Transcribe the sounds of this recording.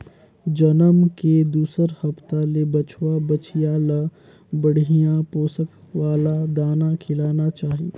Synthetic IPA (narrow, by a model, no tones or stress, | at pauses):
d͡ʒənəmked̪uːsəɾhəpt̪alebət͡ʃʰwabət͡ʃijalə | bəɽ̤ʱijãpoːsək | waːlad̪aːnakʰɪlaːnat͡ʃaːɦi